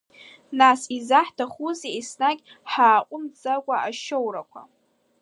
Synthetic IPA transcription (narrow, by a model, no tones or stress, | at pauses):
nasizaħtʰaχuzeisnaɡʲ | ħaːqʷʼʊmd͡zaɡʷaaʃowrakʷʰa̰